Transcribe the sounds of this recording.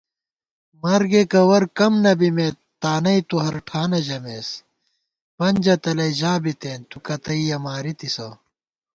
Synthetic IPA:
mɐɾɡekɐwɐɾkɐmnɐbime | t̪aːnɐit̪uɦɐɾʈʰaːnɐd͡ʑɐmeːs | pɐnʲd͡ʑɐt̪ɐlɐiʑaːbit̪eːnt̪ukɐt̪ɐijɐmaːɾit̪isɐː

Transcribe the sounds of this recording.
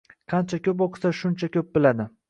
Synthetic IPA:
qʰɑnt͡ʃʰakʲʰɵp̬oqʰsaʃʊnt͡ʃʰakʲʰɵp̚bɪlad̪ɪ

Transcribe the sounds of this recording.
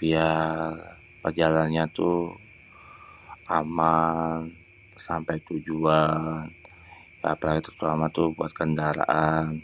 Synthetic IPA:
b̥iar | pərd͡ʒalanɲat̪u | ʔaman | sampajt̪ud͡ʒuan | jaːpalaɡit̪ə̥rt̪uamat̪ubuat̪̚kəndaɾa̰ʔan

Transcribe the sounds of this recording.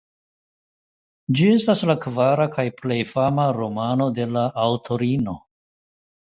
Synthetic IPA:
d͡ʒie̞staslakvaɾakajple̞jfamaɾo̞mano̞de̞laʔːwtʰo̞ɾino̞

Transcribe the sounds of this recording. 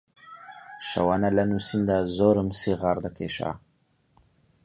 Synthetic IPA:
ʃa̰wanalɐnusind̪azoːɾəmsiɣaɾd̪akḛʃa̰

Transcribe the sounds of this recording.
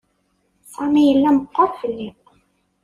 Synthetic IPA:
sɑmæjəlːæməqːɑɾˤfəlːi

